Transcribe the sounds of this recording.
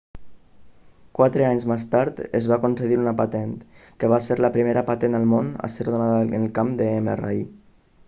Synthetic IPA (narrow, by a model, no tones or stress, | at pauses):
kwat̪ɾəaɲzmest̪aɾt̪əzβakunsəðiɾunəpat̪ɛnt̪kəβ̞aseɾləpɾimeɾəpat̪ɛnd̪əlˠmona̰seɾðonaðəənəlˠkamd̪əemḛra̰i